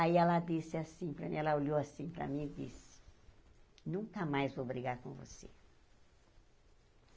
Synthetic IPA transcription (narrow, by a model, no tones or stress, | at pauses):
aiɛlɐd̪isɪasĩpɾɐmĩɛlɐolowasĩpɾɐ̰mĩdḭsɪ̥ | nũŋkɐmajzvobɾiɡaɾkõvo̰sḛ